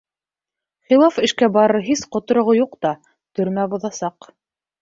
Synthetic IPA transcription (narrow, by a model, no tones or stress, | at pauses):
χilˠafɘ̆ʃkæbɑɾɤɾɦisqŏt̪ŏɾŏʁojuqt̪ɑ | t̪ɵ̆ɾmæbŏðɑsɑq